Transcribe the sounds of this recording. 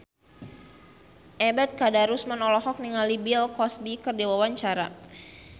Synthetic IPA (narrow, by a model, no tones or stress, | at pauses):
ʔɛbɛt̪̚kadaɾusmanɔlɔɦɔk̚niŋalibilkɔsbikərdiwawaɲt͡ʃaɾa̰